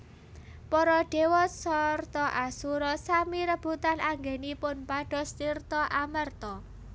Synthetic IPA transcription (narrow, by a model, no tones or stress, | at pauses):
pɔɾɔɖ̥e̤wɔsɔrt̪ɔʔasuɾɔsamiɾəb̥ut̪anaŋɡenipʊnpaɖ̥ɔ̤st̪irt̪ɔʔamərt̪ɔ